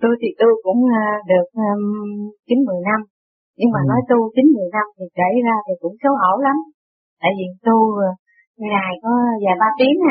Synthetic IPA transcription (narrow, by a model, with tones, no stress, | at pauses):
t̪u˧jt̪ʰi˨˩t̪u˧jkʊ̰˧˥ŋ͡mɗɨ˨˩ək̚əː˧t͡ɕï˨˦ŋ̟mɨ˨˩əjna˧m | ɲɨ˧ŋmaː˨˩nɔ˨˦jt̪u˧t͡ɕï˨˦ŋ̟mɨ˨˩əjna˧mt̪ʰi˨˩ke˧˩jzaː˧t̪ʰi˨˩kʊ̰˧˥ŋ͡msə˨˦wʔo˧˩la˨˦m | t̪a̰ː˧˨jvi˨˩t̪u˧˨˩ | ŋaː˨˩jkɔ˨˦zaː˨˩ɓaː˧t̪i˨˦əŋa˧˩